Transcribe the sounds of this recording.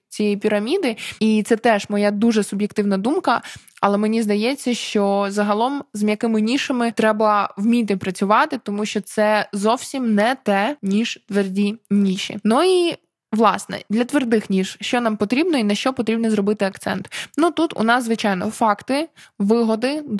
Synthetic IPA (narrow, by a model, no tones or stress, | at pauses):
t͡sʲijɛjipʲiɾɐmʲid̪ɪit̪sɛt̪ɛʒmɔjad̪uʒɛsʊbjekt̪ɪwnɐd̪umkɐɐlˠɛmenʲizd̪ɐjɛt͡sʲːɐʃt͡ʃɔzɐɦɐlˠɔmzjɐkɪmɪnʲiʃɐmɪt̪ɾɛbɐwmʲit̪̬ɪpɾɐt͡sʲʊʋɑt̪ɪt̪ɔmuʃt͡ʃɔt̪sɛzɔwsʲimnɛt̪ɛnʲiʒt̪ʋerdʲinʲiʃḭnui | ʋlˠɑsnɛ̰d̪lʲɐt̪ʋerd̪ɪxnʲiʃʃt͡ʃɔnɑmpɔt̪ɾʲibnɔinɐʃt͡ʃɔpɔt̪ɾʲibnizrɔbɪt̪ɪɐkt̪sɛ̰nt̪nut̪ut̪ʊ̰nɑszʋɪt͡ʃɑjnɔ̰fɑkt̪ɪʋɪɦɔd̪ɪ